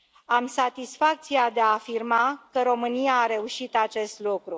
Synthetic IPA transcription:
amsat̪isfak̚t̪siad̪eaːfirmakəɾo̞mɨnijaːɾe̞uʃit̪at͡ʃe̞st̪lukɾu

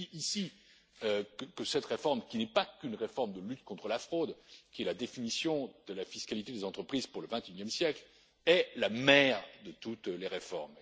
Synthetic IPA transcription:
ʔisi | økəkəsɛt̪ʁefɔʁmkʲinɛpakynʁefɔʁmd̪əlyt̪kɔ̃t̪χəlafχod̪kʲiɛlad̪efinisjɔ̃d̪əlafiskalit̪ed̪ezɑ̃t̪χəpχiz̥puʁləvɛ̃t̪ynjɛmsjɛkl | ɛlamɛʁd̪ət̪ut̪leʁefɔʁm

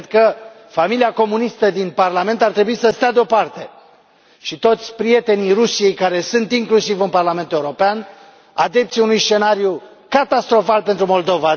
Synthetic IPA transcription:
d̪kə | familiako̞munist̪əd̪inparlame̞nt̪art̪ɾe̞buisəst̪ead̪eo̞part̪e̞ | ʃit̪o̞t̪sʲpɾije̞t̪e̞nijrusije̞jkaɾe̞sunt̪iŋklusivɨnparlame̞nt̪ueuɾo̞pean | ad̪e̞p̚t̪siunujst͡ʃe̞naɾju | kat̪ast̪ɾo̞falpe̞nt̪ɾumo̞ld̪o̞va

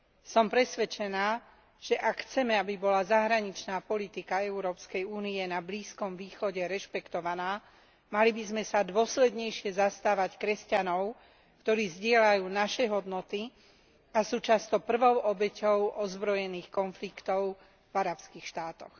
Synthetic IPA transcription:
sɔmpɾɛsʋɛt͡ʃɛnaː | ʒ̥ɛʔakxt͡sɛmɛabibɔlazaɦɾaɲit͡ʃnaːpɔlit̪ikaɛʊɾɔːpskɛjuːniɛnabliːskɔmʋiːxɔɟɛɾɛʃpɛkt̪ɔʋanaː | malibizmɛsad̪ʊɔslɛd̪ɲɛjʃɪɛzast̪aːʋackɾɛscanɔʊ | kt̪ɔɾiːzɟɪɛlajuːnaʃɛɦɔd̪nɔt̪i | asuːt͡ʃast̪ɔpr̩ʋɔʊʔɔbɛcɔʊʔɔzbɾɔjɛniːxkɔnflikt̪ɔʊ | vaɾapskiːxʃt̪aːt̪ɔx

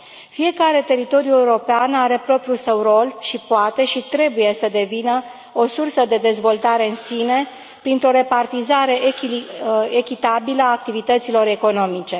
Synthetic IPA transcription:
fije̞kaɾe̞t̪e̞ɾit̪o̞ɾjue̞uɾo̞peanaɾe̞pɾo̞pɾjusəwro̞lʃipoat̪e̞ʃit̪ɾe̞buje̞səd̪e̞vinə | o̞sursəd̪e̞d̪e̞zvo̞lt̪aɾe̞ɨnsine̞ | pɾint̪ɾo̞ɾe̞part̪izaɾe̞ʔ | ekʲit̪abiləaːk̚t̪ivit̪ət̪silo̞ɾe̞ko̞no̞mit͡ʃe̞

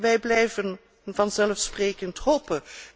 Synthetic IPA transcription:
ʋɛjblɛjvən | vɑnzɛlfsprejkəntɦopə

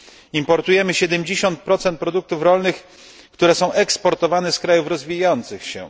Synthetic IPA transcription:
impɔɾt̪ujɛmɘɕɛd̪ɛmd͡ʑeɕɔnt̪̚pɾɔt̪sɛnt̪̚pɾɔd̪uk̚t̪ufɾɔlnɘx | kt̪uɾɛsɔ̃w̃ʔɛkspɔɾt̪ɔvanɛskɾajufɾɔzvʲijɔnt̪sɘxɕɛ̰

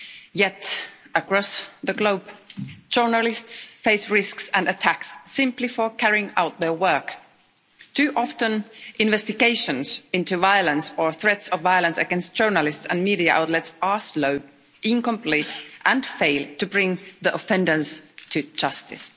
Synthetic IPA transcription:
jɛtəkɹ̥ɔsðɨɡloʊb̥d̥d͡ʒ̥ɜ˞nəlɪstsfeɪsɹɪsksɨ̃nɨtʰæksːɪ̃mplifə˞kʰæɹiɪ̃ŋa̰ʊt̪̚ðə˞wɜ˞k | tʰʉʔɑftə̃nʔɪ̃nvɛstɨɡeɪʃɨ̃nz̥ɪ̃ntʉvaɪəlˠə̃nsə˞θɹɛtsʌvaɪələ̃nsɨ̰ɡɛ̃nst̚d̥ʒ̥ɜ˞nəlɪstsə̰̃nmiɾiɨʔa̰ʊtˡlɛtsəsloʊ | ʔɪ̃nkə̃mpʰl̥iɪtʔə̃nfeɪlˠtɨbɹɪ̃ŋðiʔəfɛ̃ndə˞stʰɨd͡ʒʌstɪ̰s

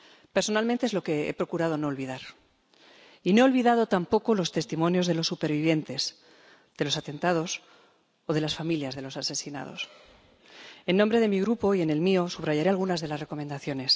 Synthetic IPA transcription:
pe̞ɾso̞nalmẽnt̪eezlo̞ke̞ḛpɾokuɾað̞o̞no̞ːlβiðaɾ | ine̞olβiðað̞o̞t̪ampo̞kolo̞st̪e̞st̪imõ̞njo̞zðe̞lo̞sːupe̞ɾβiβje̞nt̪e̞z | ð̥e̞lo̞sat̪e̞nt̪að̞o̞s | oðe̞lasfamiljazðe̞lo̞sase̞sina̰ð̞o̞̰s | e̞nːombɾe̞ð̞e̞miɣ̞ɾupo̞iene̞lmio̞suβraʝaɾe̞alɣ̞unazðe̞lasre̞ko̞mend̪aθjo̞ne̞s

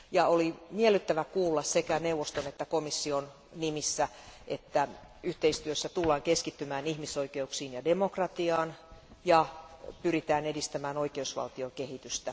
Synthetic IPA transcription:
jɑolimielːˑyt̪ːæʋækuːlːɑssekæneuʋost̪onet̪ːækomisːion | nimisːæʔet̪ːæyht̪eist̪yøsːæt̪ulːɑːŋkeskit̪ːymæːnihmisoikeuksiːnjɑdemokrɑt̪iɑːnjɑpyrit̪æːnedist̪æmæːnoikeusʋɑ̰lt̪iokehit̪yst̪æ

